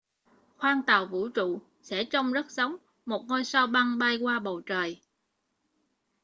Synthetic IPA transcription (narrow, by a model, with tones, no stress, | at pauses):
xwaː˧ŋt̪aː˨˩wvṵ˧˥t͡ɕṵ˧˨ | sɛ̰˧˥t͡ɕɔ˧wŋ͡mzə˦˥t̚zə˨˦wŋ͡m | mo˨˩t̚ŋo˧jsaː˧wɓa˧ŋɓa˧jkwaː˧ɓə˨˩wt͡ɕəː˨˩j